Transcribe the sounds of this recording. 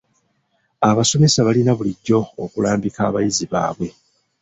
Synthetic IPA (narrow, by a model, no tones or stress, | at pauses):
aβaso̞me̞saβalinaβuliɟːo̞ːkulaːmbikaːβajiziβa̰ːβwe̞